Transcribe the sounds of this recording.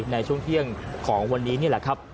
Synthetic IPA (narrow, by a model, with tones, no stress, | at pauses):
p̚na˧jt͡ɕʰu˥˩əŋt̪ʰi˥˩əŋkʰɔː˩˦ŋwa˧nːiː˦˥ni˥˩lɛ̰˨˩kʰɾa˦˥p̚